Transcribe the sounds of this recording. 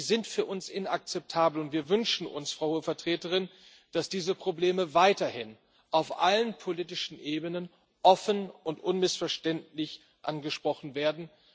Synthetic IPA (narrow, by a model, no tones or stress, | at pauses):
zɪntfyːɐʔʊnsɪna̰k̚t͡sɛp̚tʰaːbl̩ʊntv̥iːɐvʏnʃn̩ʔʊ̰nsfʁ̥aʊhuəfɛɐtʁ̥eːtəʁɪn | d̥asd̥iːzəpʁ̥obleːməvaɪtɐhɪn | ʔaʊfʔa̰lənpʰoliːtɪʃn̩ʔeːbənən | ʔɔfənʊntʔʊnmɪsfɛɐʃtɛntlɪç | ʔa̰nɡəʃpʁ̥ɔχn̩veːɐdn̩